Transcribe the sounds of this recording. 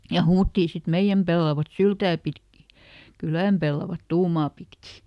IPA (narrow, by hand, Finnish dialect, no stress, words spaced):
jɑ huːtːiː sit meij̆æm pelːɑʋɑt syltæː pitki kylæˑm pelːɑʋɑt tuːmɑː pitkiˑ